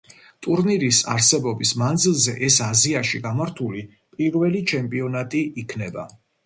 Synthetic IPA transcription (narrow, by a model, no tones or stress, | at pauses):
t̪ʼuɾniɾisa̰ɾsɛbɔbismand̪zilˠzɛʔɛsaziaʃiɡamaɾt̪ʰuli | pʼiɾvɛlit͡ʃʰɛmpʼiɔnat̪ʼiːkʰnɛba̰